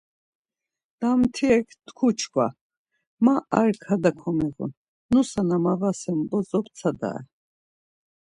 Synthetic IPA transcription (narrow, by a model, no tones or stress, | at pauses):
d̪̥amt̪ʰiɛkʰt̪kʰut͡ʃʰkʰwa̰ | maaɾkʰad̪akʰɔmɛɣṵn | nusanamavasɛmbɔzɔp̪t͡sʰad̪a̰ɛ̰